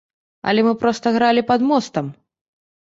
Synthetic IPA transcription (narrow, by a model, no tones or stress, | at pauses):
ɐ̰lʲɛmɨpɾɔst̪ɐɣɾalʲipɐd̪mɔst̪ɐm